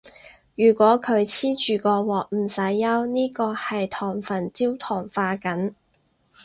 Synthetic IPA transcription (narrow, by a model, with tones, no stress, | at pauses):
jyː˨˩kʷwɔː˨˥kʰɵ˨˧ɥt͡sʰiː˥t͡ʃyː˨kɔː˧wɔː˨k̚m̩˨˩sɐ˨˥jːɐ˥wniː˥kɔː˧hɐ˨jt̪ʰɔː˨˩ŋfɐ˨˩nt͡siː˥wt̪ʰɔː˨˩ŋfaː˧kɐ˨˥n